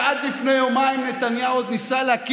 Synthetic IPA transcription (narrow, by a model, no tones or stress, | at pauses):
ad̪lifnejomaimnet̪anjaud̪nisaleak